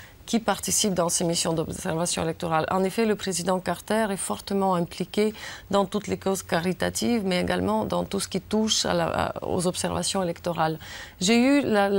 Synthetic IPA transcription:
kʲipaʁt̪isip̚d̪ɑ̃semisjɔ̃d̪ɔbsɛʁvasjɔ̃elɛk̚t̪ɔʁalɑ̰̃nefɛləpχezid̪ɑ̃kaʁt̪ɛʁɛfɔʁt̪əmɑ̃ɛ̃plikʲed̪ɑ̃t̪ut̪lekozkaʁit̪a̰t̪ivmɛeɡalmɑ̃d̪ɑ̃t̪usə̥kʲit̪uʃa̰a̰o̰zɔpsɛʁva̰sjɔ̃elɛkt̪ɔʁalʒeyla

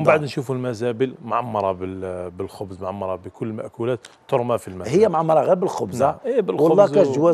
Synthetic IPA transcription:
baʕd̪nʃufulmæzæbəlmʕamːɑɾˤɑbəbəlxʊbzmʕamːɑɾˤɑbəkʊlːəlmæʔkulæt̪t̪ːoɾˤmafilmæhəjːæmʕamːɑɾˤɑɣæɾbəlxʊbzaibəlwɑllːɑzkæʒwæ

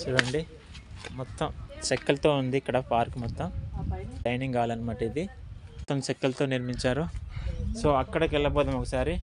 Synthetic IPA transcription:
t͡ʃuːɽɐɳɖi | mɔt̪ːɐmt͡ʃɐkːɐlɐt̪o̞ːund̪iːkːɐɽɐpaːɾkmɔt̪ːɐmʈɐjniŋɡaːlɐnimɐʈːid̪imɔt̪ːɐmt͡ʃekːɐlɐt̪oːniɾmiɲt͡ʃaːɾu | soːɐkːɐɽɐkɛɭːɐpɔːd̪ɐmɔkɐsaːɾi

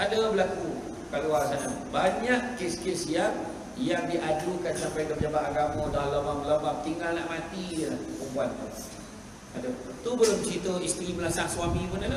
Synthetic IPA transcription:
adabəlaku | kaluarsana | baɲaʔkeskesija | jaŋdiʔadukansampajkəpd͡ʒabat̪aɡamãdalamaməlabamt̪iŋɡalnaʔmat̪ijəlahpəbuant̪ṵ | adat̪ubəlomt͡ʃit̪oist̪ɾiməlasaŋsuwamĩbənala

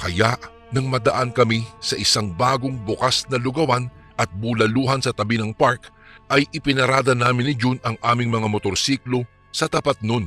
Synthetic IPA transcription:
kɐjaʔ | nɐŋmɐd̪ɐʔankɐmisɐʔɪsaŋbaːɡoŋbʊkasnɐlʊɡɐwan | ʔɐt̪̚bulɐluːɦɐnsɐt̪ɐbinɐŋpaɾkʔɐjʔɪpɪnɐɾaːd̪ɐnaːmɪnɪd͡ʒunɐŋʔaːmɪŋmɐŋamot̪oɾsiːklo̞ | sɐt̪ɐpat̪̚non

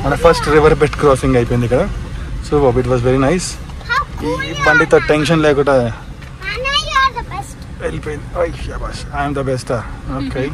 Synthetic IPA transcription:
mɐnːepʰɐsʈɾiʋɐɾbeʈkɾɔːsĩŋɡɐjpɐnd̪ikːɐɽesoːoiʈ̬ʋaːzʋeɾinajs | ibɐɳɖit̪ɐʈẽnʃɐnleːkuʈɐ | bsʈ | elpiojjabasajmd̪ɐbesʈɐoːke

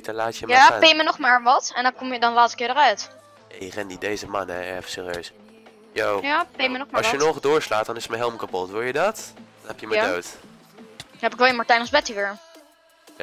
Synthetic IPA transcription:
dɔlaːtjəmjapɪjmənɔχmaːɹʋɑtɛndɔnkomjədɔnlaːtsəkɪːɹdərœɥt | ejərɛndidejzəmanɛɛfəsɪːriøɥs | jowjapmɑjənɔχdʊːɹslaːt̚dɔnɪsətməɦɛlˠmkapɔtʋʊɹjədɔtdɔnhɛpjəmədowt | ɦɛpɪkʋɛlˠəmaɹtɛjnɔzbɛtiʋɪɹ

